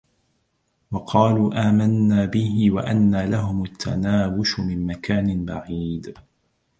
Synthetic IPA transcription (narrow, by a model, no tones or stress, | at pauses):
wɑqʰɑːluːʔaːmanːaːbɪhɪwa̰ʔanːaːlaɦʊmat̪ʰːa̰naːwʊʃʊmɪmmakʰaːnɪnbaʕiːd̪